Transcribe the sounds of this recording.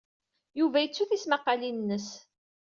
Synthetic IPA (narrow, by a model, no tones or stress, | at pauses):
juvæjət͡sːuθismɑqːɑlinnːəs